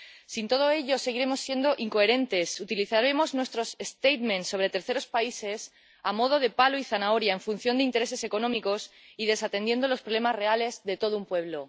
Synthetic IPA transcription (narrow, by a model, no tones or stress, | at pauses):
sint̪o̞ð̞o̞e̞ʎo̞se̞ɣiɾe̞mo̞sːje̞nd̪o̞ʔiŋko̞e̞ɾẽ̞nt̪e̞sut̪iliθaɾemo̞znwe̞st̪ɾo̞sest̪ejt̪mẽ̞nsːo̞β̞ɾe̞t̪e̞ɾθe̞ɾo̞spaise̞s | amo̞ð̞o̞ð̞e̞paloiθanao̞ɾjaeɱfun̟θjo̞nd̪eint̪e̞ɾe̞se̞se̞ko̞nõ̞miko̞s | iðe̞sat̪e̞nd̪je̞nd̪o̞lo̞spɾolemazre̞ale̞zðe̞t̪o̞ðoumpwe̞βlo̞